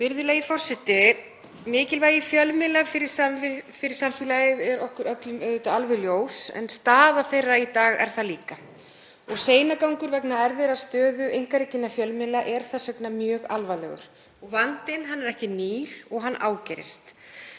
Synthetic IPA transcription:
vɪɾðʏlajifɔr̥sɛht̪ɪ | mɪːcɪlvaːjɪfjœlmɪlafɪɾɪ̥safɪɾɪɾsamfilajɪvɛɾɔhkʏɾœt̪lʏmœðɪt̪ʏalvɛɣljoːwsɛ̰nst̪aːðaθejrait̪aːɣɛ̰ɾ̥θaliːka | ɔɣseːjnakawŋkʏɾvɛknaɛɾvɛːɾast̪œːðʏʔejŋkaɾɪcɪnːafjœlmɪlaʔɛɾ̥θasɛknamjœːɣalvalɛ̰ɣʏ̰ɾ̥ | ɔɣvant̪ɪnɦanːɛɾɛhcɪniːl̥ɔɣɦanːʔa̰ːwcɛɾɪ̰st̪

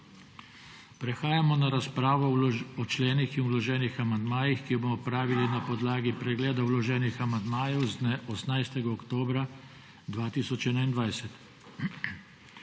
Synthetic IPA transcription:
pɾɛxaːjamɔnaɾaspɾaːʋɔɔt͡ʃlɛːnixinwlɔʒɛːnixamand̪maːjixkijɔbomɔpɾaːʋilinapɔd̪laːɡipɾɛɡlɛːd̪awlɔʒɛːnixamand̪maːjɛwzd̪nɛʔɔsnajst̪ɛɡaɔkt̪oːbɾa | d̪ʋaːt̪iːsɔt͡ʃɛnaind̪ʋajsɛt̪

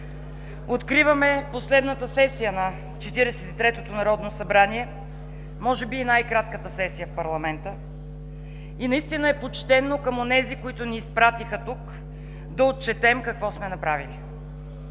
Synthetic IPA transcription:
ot̪kɾivəmɛposlɛd̪nət̪əsɛsijənɐ | t͡ʃɛt̪iɾɛsɛt̪it̪ɾɛt̪ot̪onɐɾɔd̪nosɐbɾaniɛ | mɔʒɛbiːnajkɾat̪kət̪əsɛsijəfpɐɾlˠɐmɛnt̪ə | inɐist̪inəɛpot͡ʃt̪ɛnokɐmonɛzikoit̪ʊniːspɾat̪ixət̪uk | d̪ɐot̪̚t͡ʃɛt̪ɛmkɐkvɔsmɛnɐpɾavili

